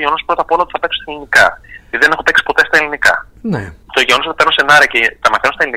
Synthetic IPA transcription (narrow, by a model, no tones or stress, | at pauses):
ʝeono̞spɾo̞t̪ɐpo̞lɐot̪iθɐpe̞ksu̥st̪elinikɐiðiðene̞xope̞ksi̥po̞t̪est̪ɐelinikɐ̰ | net̪oʝeonos̬ot̪penosenɐɾiɐcet̪ɐmɐθenost̪ɐlini